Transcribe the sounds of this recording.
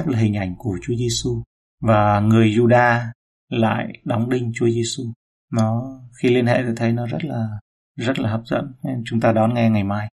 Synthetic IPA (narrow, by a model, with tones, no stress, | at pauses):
p̚laː˨˩ɦi˨˩ŋ̟ʔa˧˩jŋ̟ku˧˩ət͡ɕu˨˦əze˧su˧ | vaː˨˩ŋɨ˨˩əjzu˧ɗaː˧ | la̰ː˧˨jɗɔ˨˦wŋ͡mɗï˧ŋ̟t͡ɕu˨˦ze˧su˧ | nɔ˨˦xi˧li˧ənhḛ˧˨t̪ɔ˨˩t̪ʰə˨˦jnɔ˨˦zə˦˥t̚laː˨˩ | zə˦˥t̚laː˨˩həː˨˩p̚z̥ə̰˧˨nt͡ɕʊ˨˦ŋ͡mt̪aː˧ɗɔ˨˦nŋɛ˧ŋa˨˩jmaː˧j